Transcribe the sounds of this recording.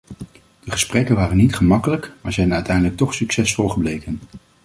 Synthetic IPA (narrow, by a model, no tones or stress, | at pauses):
d̥əχəsprɛkənʋaːrənːitχəmɑkələkmaːɹzɛjnœɥtɛjndələk̚tɔχsyksɛsfɔlˠχəblejkən